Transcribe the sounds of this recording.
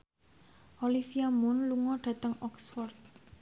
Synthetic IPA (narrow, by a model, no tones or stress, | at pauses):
ʔɔlifiamʊnluŋɔɖ̥a̤t̪əŋɔksfɔrt̪̚